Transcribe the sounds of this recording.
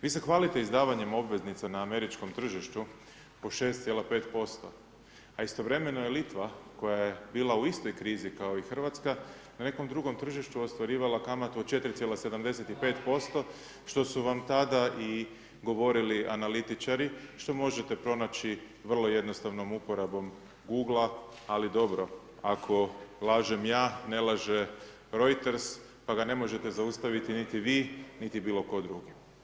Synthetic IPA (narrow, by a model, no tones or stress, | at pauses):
ʋiːsexʋaːlit̪e̞izd̪aːʋaɲe̞mo̞bʋe̞znit̪sanaːme̞ɾit͡ʃko̞mt̪r̩ʒiʃt̪u | poʃe̞ːst̪sjelape̞ːt̪po̞st̪o̞̰ | aist̪o̞ʋɾe̞me̞nojelit̪ʋako̞jajebiːlˠauist̪o̞jkɾiːzikao̞ixr̩ʋat̪skanane̞ko̞md̪ɾuɡo̞mt̪r̩ʒiʃt̪uo̞st̪ʋaɾiːʋalakamat̪ut̪t͡ʃe̞t̪ɾit̪jelase̞d̪amd̪e̞se̞t̪ipe̞ːt̪po̞st̪o̞ | ʃt̪o̞suʋamt̪ad̪aʔi | ɡo̞ʋo̞ɾiliʔanalit̪it͡ʃaɾiʃt̪o̞mo̞ʒe̞t̪e̞pɾo̞nat͡ʃi | ʋər̩lˠo̞je̞d̪nost̪aʋno̞mupo̞ɾabo̞m | ɡuːɡlˠaː | lid̪o̞bɾo̞ | akʰo̞lˠaːʒe̞mjaːne̞lˠaʒe | ɾo̞jt̪eɾs | paɡane̞mo̞ʒe̞t̪e̞zaust̪aʋit̪init̪iʋiːnit̪ibiːlˠo̞ko̞d̪ɾuːɡi